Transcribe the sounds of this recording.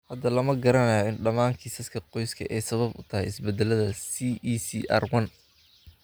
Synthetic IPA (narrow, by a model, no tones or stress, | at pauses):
hɐd̪ɐlɐmɐɡɐɾɐnɐjɔɪnɖɐmaːŋkʰiːsɐskʰɐqɔjskʰɐ̰ʔɛjsɐβɐbʊ̰t̪ʰɐɦɛjɪsbɛd̪ɛlɐðɐsiːisiʔɐ̰rwɐn